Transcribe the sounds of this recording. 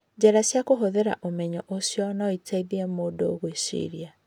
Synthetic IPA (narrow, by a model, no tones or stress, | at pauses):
d͡ʑɛɾasjakoɦoðeɾa̰ʔomɛɲɔʔosjɔnaɔitʰaiðiɛmoːdooɣwisḭɾia